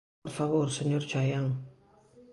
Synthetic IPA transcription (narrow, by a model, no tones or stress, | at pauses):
ɾfaβoɾseɲoɾt͡ʃajaŋ